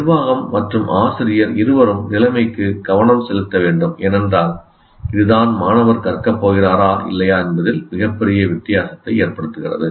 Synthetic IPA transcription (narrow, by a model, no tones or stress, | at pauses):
nɪɾʋaːɣɐmːɐʈrɯmʔaːsɪɾɪjɐɾɪɾɯʋɐɾɯmnɪlɐmɐɪkːɯɡ̥ɐʋɐnɐmsɛlɯt̪ːɐʋeːɳɖɯmɛnɛndraːl | ɪðɯðaːnmaːnɐʋɐɾkɐrkɐpːoːɣɪraːɾaːʔɪ̰lːɐjaːɛnbɐðɪlmɪɣɐpːɛɾɪjɐʋɪt̪ːɪjaːsɐt̪ːɐɪeːɾpɐɽɯt̪ːɯɣɪrɐ̰ðɯ